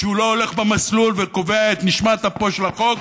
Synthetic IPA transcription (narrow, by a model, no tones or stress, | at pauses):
ʃeuloole̞χbemaslulveko̞veaet̪niʃmat̪apoʃlaχo̞k